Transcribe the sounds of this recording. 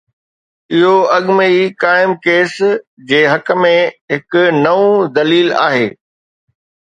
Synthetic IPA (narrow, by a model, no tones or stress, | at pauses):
ɪɦoɐɠməikaːɪmkeːsd͡ʑeːɦɐkə̆mẽɦɪkʊnɐʋũd̪ɐliːla̰ːɦeː